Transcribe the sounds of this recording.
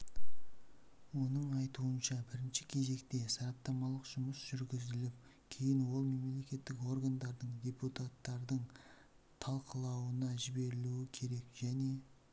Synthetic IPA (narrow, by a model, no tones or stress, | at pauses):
wo̞nəɴɑjt̪uənʃɑbɪɾɪnʃɪ̥kʲʰe̞ze̞kt̪e̞sɑɾɑt̪ːɑmɑlˠəqʒ̥ʊməsʒ̥ʏɾɡʲɪzɪlɪp̚ | kʲʰe̞jɪnwo̞lˠme̞mle̞kʲe̞t̪ːɪko̞rɡand̪ɑɾd̪əɴdʲe̞put̪at̪ːɑɾd̪əɴ | t̪ʰɑlˠqʰəlˠɑwənɑʒɪbe̞ɾɪluwɪkʲʰe̞ɾe̞kʒ̥æne̞